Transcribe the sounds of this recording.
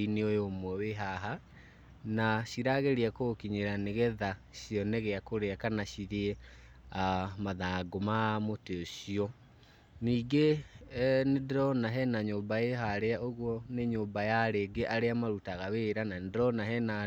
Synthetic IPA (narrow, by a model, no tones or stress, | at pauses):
ineojomwɛweɦaɦa | naɕiɾaɣeɾiakokiɲeɾaneɣɛðaɕiɔneɣeakoɾeakanaɕiɾeɛ | amaðaːɡomamoteoɕiɔ | niːɡe | nedɾɔnaɦɛnaɲoːmbaeɦaɾeaʔoɣwɔneɲoːmbajaɾeːɡeʔaɾeamaɾutaɣaweːɾanandɾɔnaɦɛna